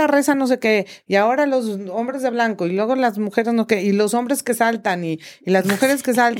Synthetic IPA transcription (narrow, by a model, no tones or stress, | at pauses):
are̞sano̞s̬e̞ke̞iao̞ɾalo̞s̬o̞mbɾe̞zðe̞βlaŋko̞ilwe̞ɣ̞o̞lazmuxeɾe̞znokeilo̞so̞mbɾe̞ske̞salt̪aniːlazmuxe̞ɾe̞ske̞s̬al